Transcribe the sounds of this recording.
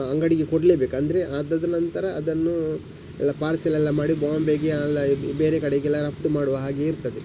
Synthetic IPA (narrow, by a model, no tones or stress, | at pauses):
ɐŋɡɐɽiɡekoɽleːbe̞ːkɐnd̪ɐɾeʔaːd̪ɐd̪ɐnɐnt̪ɐɾɐːd̪ɐnːu | ɛ̰lːɐpaːɾsɛlɛlːɐmaːɽibaːmbeːɡeɐlːɐbeːɾekɐɽeɡɛlːɐɾɐpt̪umaːɽuʋɐɦaːɡe̞iɾt̪ɐd̪e